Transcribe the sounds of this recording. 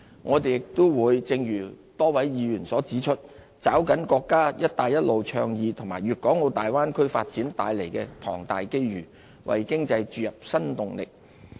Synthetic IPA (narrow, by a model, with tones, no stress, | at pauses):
ŋʔɔː˨˧t̪̬e˨jɪ˨k̚t̪ʊ˥wwuː˨˧jt͡sɪ˧ŋjyː˨˩ | t̪ɔː˥wɐ˨˥jjiː˨˧jyː˨˩nsɔː˨˥t͡siː˨˥t͡ʃʰɵ˥t̚ | t͡saː˨˥wkɐ˨˥nkɔː˧kːaː˥jɐ˥t̚t̪aː˨jɐ˥t̚lʔo˨wt͡ʃʰœː˧ŋjiː˨˧t̪ʰʊ˨˩ŋmaː˨˩jɥyː˨t̚kɔː˨˥ŋo˨˧t̪aː˨jwaː˥nkʰɵ˥ɥfa̰ː˧t̚t͡siː˨˥nt̪aː˨˧jle˨˩jkɛː˧t̪ʰɔ̰ː˨˩ŋt̪aː˨jke˥jɥyː˨˩ | wʔɐ̰˨jkɪ˥ŋt͡sɐ˧jt͡ʃyː˨˧jɐ˨p̚sɐ˥nt̪ʊ˨ŋlɪ˨k̚